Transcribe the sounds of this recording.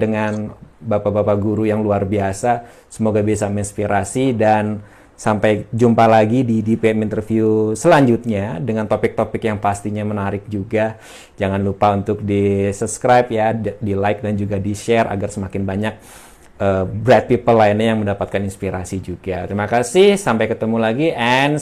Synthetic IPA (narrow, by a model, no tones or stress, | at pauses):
dəŋanbapabapaɡuɾujaŋluarbiasa | səmoɡabias̬aməinspiɾasidan | sampajd͡ʒumpalaɡididipeɛmint̪ərfiusəlaɲd͡ʒut̪̚ɲadəŋant̪opɪk̚t̪opɪkjaŋpast̪iɲamənaɾɪk̚d͡ʒuɡa | d͡ʒaŋanlupaunt̪ʊk̚disupskɾajpjadilajk̚dand͡ʒuɡadiʃɛrʔa̰ɡarsəmakɪnbaɲak̚ | ʔəbɾɛt̪̚pipəlːainajaŋməndapat̪̚kaninspiɾasid͡ʒuɡat̪əɾimakasɪhsampajkət̪əmulaɡiʔɛn